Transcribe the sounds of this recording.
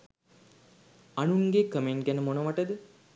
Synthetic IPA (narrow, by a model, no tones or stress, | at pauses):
anuŋɡekəmeɳʈ̚ɡænəmonəʋaʈəd̪ə